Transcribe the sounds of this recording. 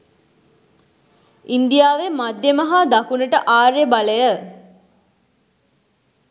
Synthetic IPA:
ind̪ijaːʋemad̪jemɐɦad̪akunəʈəʔaːɾebaləjə

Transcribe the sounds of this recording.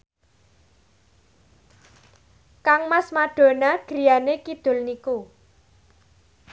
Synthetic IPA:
kaŋmasmaɖ̥o̤naɡ̥ɾi̤janekid̪̥ʊ̤lniku

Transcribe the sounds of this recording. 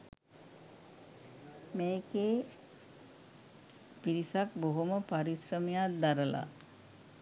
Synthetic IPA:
meːkeː | piɾisak̚boɦuməpaɾisɾəmijad̪aɾəla̰

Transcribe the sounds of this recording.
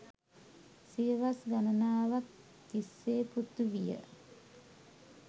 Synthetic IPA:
siəʋasɡanənaːʋak̚ | t̪isːeːput̪ːuʋijə̰

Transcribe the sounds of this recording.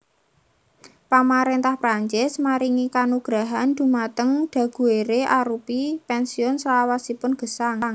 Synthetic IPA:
pamaɾent̪ahpɾaɲt͡ʃɪsmaɾiŋikanuɡ̥ɾaɦand̪̥ṳmat̪əŋd̪̥a̤ɡ̥ṳeɾeʔaɾupipɛnsiɔnslawasipʊnɡ̥ə̤saŋŋ

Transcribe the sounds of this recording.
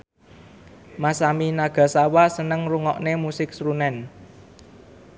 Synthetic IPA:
masaminaɡ̥ä̤sawasənəŋruŋɔʔnemusɪk̚sɾunɛn

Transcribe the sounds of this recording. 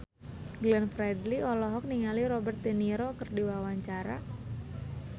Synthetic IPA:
ɡlɛnfɾɛdliɔlɔɦɔk̚niŋaliɾɔbɛrt̪̚ːeniɾokərdiwawaɲt͡ʃaɾa̰

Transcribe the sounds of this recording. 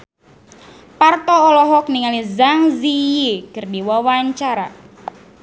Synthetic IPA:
part̪ɔːlɔɦɔk̚niŋalizaŋzijekərdiwawaɲt͡ʃaɾa̰

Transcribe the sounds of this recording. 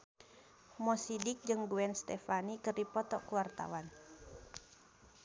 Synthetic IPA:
mɔsidik̚d͡ʒɨŋɡuɛnst̪ɛfanikərdipɔt̪ɔkuwart̪a̰wan

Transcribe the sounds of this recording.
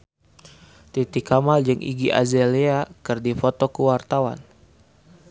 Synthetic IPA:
t̪it̪ikamald͡ʒɨŋʔḭɡiʔa̰zeleakɨrdifot̪ɔkuwart̪awa̰n

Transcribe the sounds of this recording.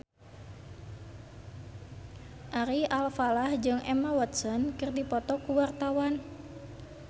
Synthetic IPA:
ʔaɾialfalahd͡ʒɨŋʔɛmawɔt̪sɔnkɨrdipɔt̪ɔkuwart̪awan

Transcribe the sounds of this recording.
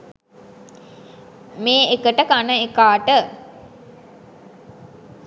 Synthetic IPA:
meːekəʈəkanəekaːʈə

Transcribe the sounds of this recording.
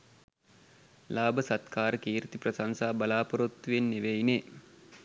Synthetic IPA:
laːbəsat̪kaːɾəkiːɾit̪iprɐsansaːbɐlaːpɐɾut̪ːʋenːeʋejne

